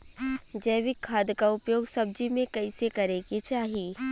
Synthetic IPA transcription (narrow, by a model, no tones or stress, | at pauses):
d͡ʒɐːʋɪkʰːaːd̪kaʊpjoːɡsɐb̚d͡ʒimẽkɐɪsekɐɾekit͡ʃaːɦiː